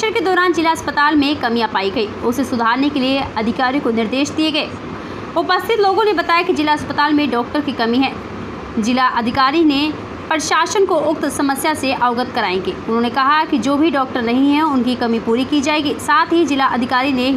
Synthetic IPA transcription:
ʃəɾked̪ɔːɾaːnd͡ʒɪlaɐspət̪aːlmẽkɐmĩɐpaːiɡɐiːʊsesʊd̪ʱaːɾnekelieɐd̪ʱɪkaːɾjõkonɪɾd̪eːʃd̪ieɡɐeː | ʊpəst̪ʰɪt̪loːɡõnebɐt̪aːjakid͡ʒɪlaɐspət̪aːlmẽɖɔːk̚ʈəɾkikɐmiɦɛː | d͡ʒɪlaʔɐd̪ʱɪkaːɾine | pəɾʃaːʃənkoʊk̚t̪sɐməsjaseʔaːʊɡət̪kɐɾaːẽːɡeːʊnɦõːnekɐɦakid͡ʒoːbʱiɖɔːk̚ʈəɾnɐɦĩɦɛʊnkikɐmipuːɾikid͡ʒaːeːɡisaːt̪ʰɦid͡ʒɪlaʔɐd̪ʱɪkaːɾine

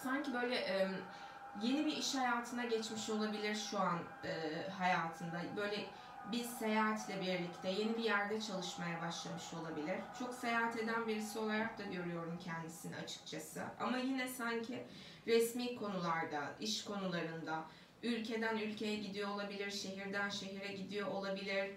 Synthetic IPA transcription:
saɲcibø̞jlʲɛʔɛm | je̞nibiiʃhajaːt̪ʰɯnaɟɛt͡ʃmiʃo̞lˠabilʲiɾʃuan | ɯːɦajaːt̪ʰɯnd̪abø̞jlʲɛ | biɾse̞jaːɦat̪ʰlʲɛbiɾlʲict̪ʰɛje̞nibijæɾd̪ɛt͡ʃʰalˠɯʃmajabaʃlˠamɯʃo̞lˠabilʲiɾ̥t͡ʃʰo̞kse̞jaːɦat̪e̞d̪ænbiɾisio̞lˠaɾak̚d̪aɟø̞ɾyjo̞ɾumcʰɛnd̪isinna̰t͡ʃʰɯ̥k̚t͡ʃʰasɯ̰ʔa̰majinɛsaɲcʰɪ | ɾɛsmiːkʰo̞nulˠaɾd̪aiʃkʰo̞nulˠaɾɯnd̪a | ylʲcʰe̞d̪ænylʲcʰe̞jɛɟid̪ijo̞ːlˠabilʲiɾʃe̞ɦiɾd̪ænʃe̞ɦiɾɛɟid̪ijo̞ʔolˠabilʲiɾ̥

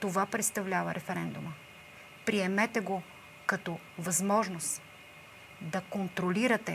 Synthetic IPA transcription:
t̪ovapɾɛt̪st̪ɐvlʲavəɾʔɛfɛɾɛnd̪umə | pɾiɛmɛt̪ɛɡo | kɐt̪ɔ | vɐzmɔʒnost̪ | d̪ɐkont̪ɾoliɾɐt̪ɛ

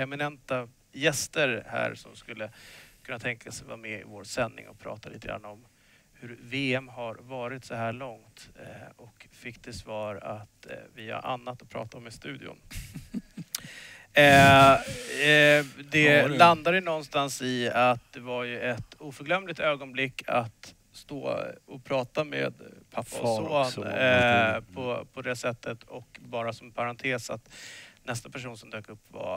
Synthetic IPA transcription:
ɛmɪnɛnt̪a | jɛst̪əɾhæ̰ːɾsɔ̰mskɵlːəkʰɵnːat̪ʰɛŋkʰasɛjva̰ːmɛɪ̰voːɾsɛnːɪ̰ŋɔ̰pʰɾɑ̰ːt̪ʰaliːt̪əɡɾa̰nːɔm | hɵɾveːɛmɦaɾvɑːɾɪt̪sɔɦæːɭɔŋt̪ɔkfɪkːd̪ʰɛsvɑːɾat̪vɪa̰ɾʔa̰nːat̪ːɔpʰɾɑ̰ːt̪aɔmɪst̪ʉ̟ːd̪ɪ̰ʊ̰n | d̪ɛland̪ad̪əjnɔnst̪ansɪat̪̚d̪ɛvaɾjɵɛt̪uːfœɾɡlœmːlɪt̪øːɡɔnblɪkːa̰t̪ | st̪o̰ːɔpʰɾɑːt̪amḛːd̪pʰapːasoːn | pʰɔpʰɔd̪ɛsɛt̪ːət̪ʰɔkbɑːɾasɔmpʰaɾant̪ʰeːsa̰t̪nɛst̪apʰæʂ̬uːnsɔmd̪øːkɵpːva̰

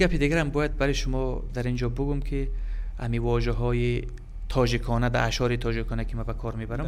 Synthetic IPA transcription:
ɡapʰid̪iɡaɾambɔjad̪̚baɾɔjʃumɔd̪aɾind͡ʒɔbuɡumkʰi | a̰mivɔʒaɦɔji | t̪ʰɔd͡ʒikʰɔnad̪aːʃɔɾit̪ʰɔd͡ʒikʰɔnakʰimabakʰɔɾmebaɾam

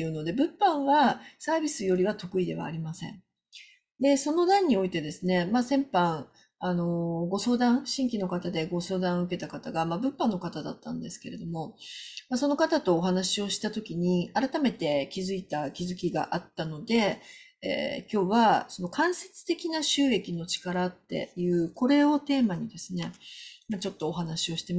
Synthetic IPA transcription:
jɯ̟ːno̞d̪e̞bɯ̟̃pːãɰ̃βasaːbʲisɨjo̞ɾʲiβat̪o̞kɯ̟id̪e̞β̞a̰ːɾʲimasẽ̞̰ɴ | d̪e̞so̞no̞d̪ãɲ̟ːio̞it̪e̞d̪e̞sɨne̞masẽ̞mpãŋ̃ | ano̞ɡo̞so̞ːd̪ãɰ̃ɕĩŋkʲino̞kat̪ad̪e̞ɡo̞so̞ːd̪ãɰ̃ɯ̟ke̞t̪akat̪aɡamabɯ̟̃mpãnːo̞kat̪ad̪a̰t̪ːã̰nd̪e̞sɨ̥ke̞ɾe̞d̪o̞mo̞maso̞no̞kat̪at̪o̞ːɦanaɕio̞ɕi̥t̪at̪o̞kʲiɲ̟iaɾat̪ame̞t̪e̞kʲizɨit̪akʲizɨkʲiɡa̰ʔat̪ːano̞d̪e̞ | ḛːkʲo̞ːβaso̞no̞kãɰ̃se̞t͡sɨ̥t̪e̞kʲinaɕɨːe̞kʲino̞t͡ɕi̥kaɾat̪ːe̞̰jɯ̟ːko̞ɾe̞o̞t̪e̞ːmaɲ̟id̪e̞sɨne̞mat͡ɕo̞t̪ːo̞ːɦanaɕio̞ɕi̥t̪em

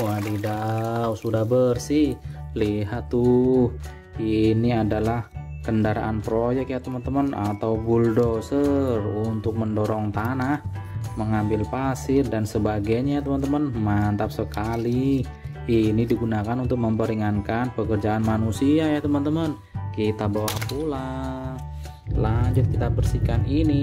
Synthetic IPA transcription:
wadidawsudahbərsɪhliɦat̪ːu | iniadalahkəndaɾa̰ʔanpɾojɛk̚jat̪əmənt̪əməna̰t̪awbuldosərunt̪ʊk̚məndoɾɔŋt̪anahməŋambɪlpasɪrdansəbaɡajɲat̪əmənt̪əmənmant̪ap̚səkali | inidiɡunakanunt̪ʊk̚məmpəɾiŋankanpəkərd͡ʒaːnmanusiajat̪əmənt̪əmən | kit̪abawahpula | laɲd͡ʒʊt̪̚kit̪abərsikanini

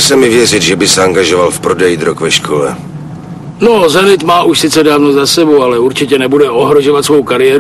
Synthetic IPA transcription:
sɛmɪvjɛrɪt̪ʒɛbɪsɛaŋɡaʒovalfpɾodɛjid̪ɾokvɛʃkʰolɛ | nozɛnɪt̪maːʔuʃsɪt͡sɛdaːvnozasɛbowalɛuɾt͡ʃɪcɛnɛbudɛoɦɾoʒo̞vat̪svo̞wkaɾɪɛːɾ

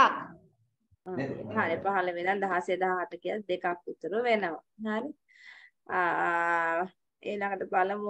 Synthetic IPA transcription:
ak | aɦanepaɦaləʋenand̪aɦased̪aɦaɦaʈəkijat̪̚d̪ekakːut̪ːəɾuʋenəʋaɦaɾi | eːlaŋɡəʈəpaləm

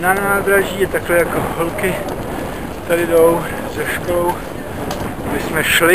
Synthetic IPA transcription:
nanaːd̪ɾaʒiːjɛt̪aklɛjakoɦolkɪ | t̪adɪdow | zɛʃkolow | dɪsmɛʃlɪ

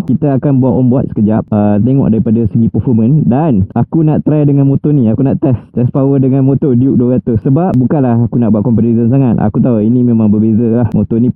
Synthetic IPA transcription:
kit̪aakanbuaʔ̪ɔmbuat̪̚sə̥kəd͡ʒap̚ət̪eŋɔ̰ʔ̚daɾipadasəɡipəfɔmə̃ndanakunaʔt̪ɾajdəŋanmõt̪ɔnĩakunaʔt̪ɛst̪ɛspawədəŋãnmõt̪ɔdiuk̚duɡat̪ʊssəbap̚bukanlahakunaʔbuat̪̚kɔmpət̪izəns̬aŋat̪̚ʔa̰kut̪auinĩmẽmãŋbərbezəlahmot̪ɔnĩ

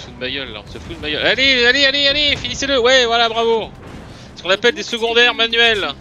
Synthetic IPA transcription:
fud̪əmajœlːa̰ɔ̃səfud̪əmajœlalealealealefiniseləwɛvwalabʁavo | skɔ̃napɛld̪esəɡɔ̃d̪ɛʁmanɥɛl

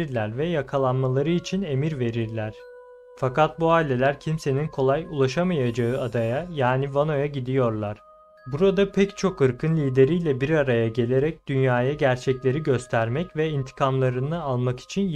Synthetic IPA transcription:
ɾlʲæɾvɛjakʰalˠanmalˠaɾɯit͡ʃʰine̞miɾve̞ɾiɾlʲæɾ̥ | fakat̪̚buaːilʲe̞lʲæɾcʰimse̞ninkʰo̞lˠajulˠaʃamajad͡ʒaɯad̪ajajaːnivano̞jaɟid̪ijo̞ɾlˠaɾ̥ | buɾad̪apʰɛct͡ʃʰo̞kɯɾkʰɯnlʲiːd̪e̞ɾijlʲɛbiɾaɾajaɟe̞lʲe̞ɾɛc̚d̪̥ynjaːjaɟæɾt͡ʃʰɛclʲe̞ɾiɟø̞st̪ʰæɾmɛcvɛint̪ʰi̥kʰamlˠaɾɯnɯalˠmaki̥t͡ʃʰin

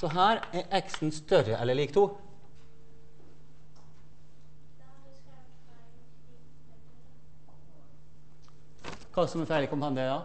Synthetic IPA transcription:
sɔɦæːɾɛʔɛksn̩st̪œɾəʔɛlːəɭiːkt̪ʰuː | kʰɑːsɔmɛfæːɭɪkʊmpɑnjəd̪ɑ

